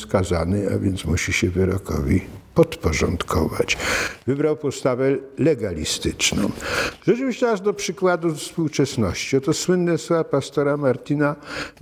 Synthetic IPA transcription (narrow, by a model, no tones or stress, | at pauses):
skazanɨa̰vʲjɛnt̪smuɕiɕɛvɘɾɔkʰɔ̰vʲipɔt̪pɔʐɔ̰nt̪kʰɔva̰t͡ɕvɘbɾawpɔst̪avɛlɛɡalʲḭst̪ɘt͡ʂnɔ̰̃w̃ʐɛt͡ʂɨvʲiɕt͡ɕɛaʐd̪ɔpʂɘkwad̪ufspuwt͡ʂɛsnɔɕt͡ɕiɔt̪ɔswɘnːɛsapast̪ɔɾamaɾt̪ina